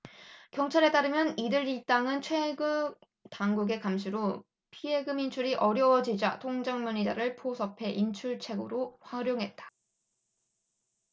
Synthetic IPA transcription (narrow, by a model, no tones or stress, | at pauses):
kjʌŋt͡ɕʰaɾe̞t͈aɾɯmjʌnidɯɾit͈aŋɯnt͡ɕʰwe̞ɡɯ | taŋɡuɡe̞kamɕʰiɾo | pʰie̞ɡɯmint͡ɕʰuɾiʔʌɾjʌwʌd͡ʑid͡ʑatʰoŋd͡ʑaŋmjʌɲid͡ʑa̰ɾɯɭpʰosʰʌpʰe̞ʔint͡ɕʰuɭt͡ɕʰe̞ɡɯ̰ɾoɸaɾjoŋɦe̞t̚t͈ḁ